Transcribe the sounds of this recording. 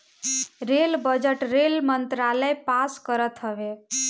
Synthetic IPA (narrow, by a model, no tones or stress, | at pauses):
ɾelbəd͡ʒəʈɾelmənt̪ɾaləjpaskəɾət̪ɦəβe